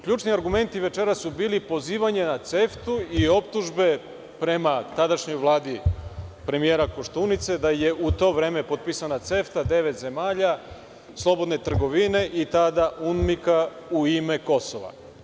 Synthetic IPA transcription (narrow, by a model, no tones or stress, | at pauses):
kʎuːt͡ʃniaɾɡume̞nt̪iʋe̞t͡ʃe̞ɾasubiːlipo̞ziːʋaɲe̞nat̪se̞ft̪uio̞p̚t̪uʒbe̞ | pɾe̞mat̪ad̪aʃɲo̞jʋlˠaːd̪ipɾe̞mijeːɾako̞ʃt̪unit̪se̞d̪aje̞ʔut̪o̞ʋɾe̞ːme̞po̞t̪̚pisanat̪se̞ft̪ad̪e̞ʋe̞t̪ze̞maːʎa | slˠo̞bo̞d̪ne̞t̪r̩ɡo̞ʋine̞ʔit̪ad̪aʔunmikauime̞ko̞so̞ʋa̰